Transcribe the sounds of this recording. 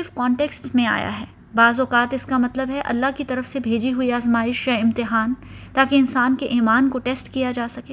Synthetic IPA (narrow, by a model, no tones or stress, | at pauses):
ɪfkɔ̃ːɳʈeːksʈmẽa̰ːja̰ɦɛː | baːzɔːqaːt̪ɪskamɐt̪ləbɦɛʔɐ̰lːaɦkit̪ɐɾəfsebʱeːd͡ʒiɦuiaːzmaːɪʃjaɪ̃mt̪ɪɦaːn | t̪aːkeɪnsaːnkeʔiːmaːnkoʈeːsʈkijad͡ʒaːsɐkeː